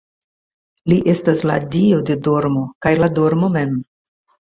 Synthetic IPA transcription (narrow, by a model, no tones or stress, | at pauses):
liʔe̞stasla̰diodedo̞ɾmo̞kajlado̞ɾmo̞me̞m